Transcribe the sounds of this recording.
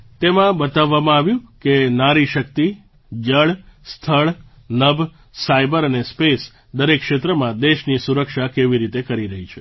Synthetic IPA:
t̪emãbət̪aʋːamãaʋjũkenaɾiʃəkt̪i | d͡ʒəɭst̪ʰəɭ | nəb | sajbəɾənespes | d̪əɾekːʃet̪ɾəmãd̪eʃnisuɾəkʃakeʋiɾit̪ekəɾiɾəɦit͡ʃʰe

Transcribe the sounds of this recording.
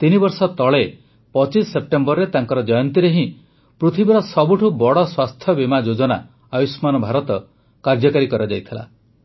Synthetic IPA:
t̪inibɔɾsɔt̪ɔɭe | pɔt͡ʃisːep̚ʈembɔɾɾet̪aŋkɔɾɔd͡ʒɔjɔnt̪iɾeɦĩ | pɾut̪ʰibiɾɔsɔbuʈʰubɔɽɔswast̪ʰjɔbimad͡ʒod͡ʒɔna | ajusmanɔbʱaɾɔt̪ɔ | kaɾd͡ʒɔkaɾikɔɾɔd͡ʒajt̪ʰila̰

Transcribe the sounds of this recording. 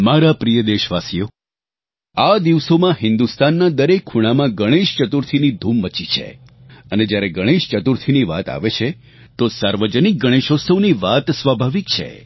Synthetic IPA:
maɾapɾijəd̪eʃʋasijo | ad̪iʋsomãɦɪ̃nd̪ust̪anːad̪əɾekʰːuɽ̃amãɡəɽ̃eʃt͡ʃət̪uɾt̪ʰinid̪ʱumːət͡ʃit͡ʃʰḛ | əned͡ʒjaɾeɡəɽ̃eʃt͡ʃət̪uɾt̪ʰiniʋa̰t̪a̰ʋet͡ʃʰe | t̪osaɾʋəd͡ʒənik̚ɡəɽ̃eʃosəʋniʋat̪sʋabʱaʋik̚t͡ʃʰḛ

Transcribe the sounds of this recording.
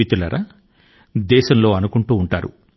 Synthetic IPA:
it̪ulɐɾʔa | d̪ɛːʃɐmlo̞ːɐnukuɳʈuːɳʈaːɾṵ

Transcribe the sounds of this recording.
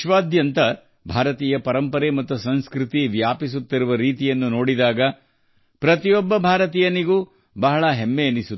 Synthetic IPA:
ʃʋaːd̪ʱjɐnt̪ɐ | bʱaːɾɐt̪iːjɐpɐɾɐmpɐɾemɐt̪ːusɐnskɾɪt̪iʋjaːpis̬ut̪ːiɾuʋɐɾiːt̪ijɐnːuno̞ːɽid̪aːɡɐ | pɾɐt̪ijɔbːɐbʱaːɾɐt̪̬ijɐniɡuː | bɐɦɐɭɐɦemːeɐnisut̪ː

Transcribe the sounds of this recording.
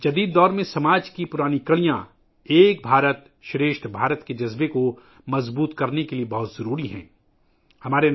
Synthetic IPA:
d͡ʒɐd̪iːd̪ːɔːɾmẽsɐmaːd͡ʒkipʊɾaːnikɐɭijã | eːk̚bʱaːɾət̪ | ʃɾeːʃt̪ʰbʱaːɾət̪ked͡ʒɐzbeko | mɐzbuːt̪kɐɾnekeliebɐɦʊt̪z̥ɐɾuːɾiɦɛ̰̃ː | hɐmaːɾe

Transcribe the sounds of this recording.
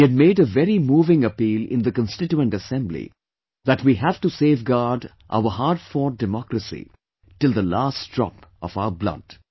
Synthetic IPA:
ɨd̚meːɖəvɛɾimuːvɪ̃ŋəpiːlɪ̰̃nd̪əkə̃nsʈɪt͡ʃuə̃nʈəsɛ̃mblḭ | ðæʈwiːɦæv̥ʈuseːvɡaɾɖ | ʔa̰ʊəɦaːɾɖfɔːɖɪmɔkɾəsḭ | ʈɪlˠd̪əlaːstd̥ɹɔ̰pɔvaʊəblʌ̰d̥

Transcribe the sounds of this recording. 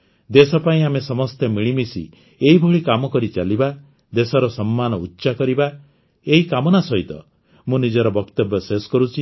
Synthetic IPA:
d̪esɔpaĩamesɔmɔst̪ʰemiɭimisḭ | eɦibʱoɭikamɔkɔɾit͡ʃaliba | d̪esɔɾɔsɔmːanɔutːʃakɔɾiba | eɦikamɔnasɔɦit̪ɔ̰ | mũnid͡ʒɔɾɔbɔkt̪ɔbjɔseskɔɾut͡ʃʰi

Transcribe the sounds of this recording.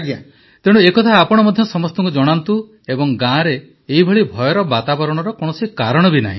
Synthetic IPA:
ɡja | t̪eɽ̃uekɔt̪ʰaːpɔɽ̃ɔmɔd̪ʱjɔsɔmɔst̪ɔŋkud͡ʒɔɽ̃ant̪u | ebɔŋɡãɾeː | ɦibʱɔɭibʱɔjɔɾɔbat̪abɔɾɔɽ̃ɔɾɔkɔɽ̃ɔsikaɾɔɽ̃ɔbina̰ɦĩ

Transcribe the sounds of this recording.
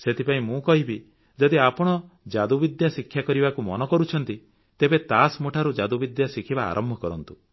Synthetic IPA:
set̪ʰipaĩmũkɔɦibi | d͡ʒɔd̪iapɔɽ̃ɔ | d͡ʒad̪ubid̪jasikʰːjakɔɾibakumɔnɔkɔɾut͡ʃʰɔnt̪i | t̪ebet̪asmoʈʰaɾud͡ʒad̪ubid̪jasikʰiba̰ːɾʔɔmbʱɔkɔɾɔnt̪u

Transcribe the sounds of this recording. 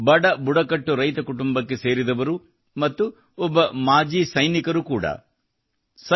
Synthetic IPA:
bɐɽɐbuɽɐkɐʈːuɾɐjt̪ɐkuʈumbɐkːe̞se̞ːɾid̪ɐʋɐɾu | mɐt̪ːu | ɔbːɐmaːd͡ʒiːsɐjnikɐɾukuːɽɐ̰ | sɐ

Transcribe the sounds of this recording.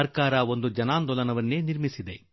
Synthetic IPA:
ɐɾkaːɾɐo̞nd̪ud͡ʒɐnaːnd̪ɔlɐnɐʋɐnːeːniɾmisid̪e̞

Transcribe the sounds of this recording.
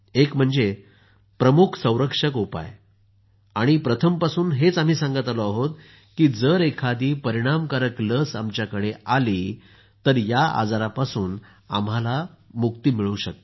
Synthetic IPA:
ekm̤əɳd͡ze | pɾəmukʰsə̃w̃ɾəkʂəkupa̰j | aɽ̃ipɾət̪ʰəmpasuːnɦet͡sam̤iːsãŋɡət̪aloaɦot̪ | kiːd͡zəɾekʰad̪iːpəɾiɽ̃amkaɾəkləsamt͡ɕjakəɽeali | t̪əɾjaa̰d͡zaɾapasuːn | a̰m̤alamuk̚t̪iːmiɭuɕək̚t̪

